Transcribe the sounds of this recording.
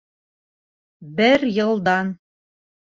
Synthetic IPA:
bɘɾjɤ̆lˠd̪ɑn

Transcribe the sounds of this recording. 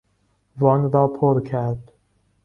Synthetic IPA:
vɒnɾɒːpʰoɾkʰæɾd̪̥

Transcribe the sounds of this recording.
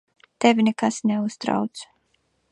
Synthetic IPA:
t̪ɛvʲinɛkasnɛust̪ɾa̰wt̪su̥

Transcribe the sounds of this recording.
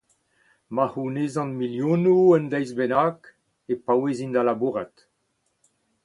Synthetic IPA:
mahunezɑ̃nmiljõnuənd̪ɛjzbɛnak | epawezind̪alabuʁat̪

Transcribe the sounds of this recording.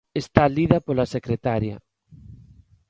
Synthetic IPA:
est̪aliðapolasekɾet̪aɾja̰

